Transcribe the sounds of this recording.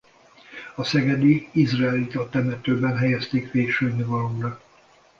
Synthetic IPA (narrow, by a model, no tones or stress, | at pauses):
ɒsɛɡɛd̪iizrɛɛlit̪ɒt̪ɛmɛt̪øːbɛnɦɛjɛst̪eːkʋeːkʃøːnivɒlomrɒ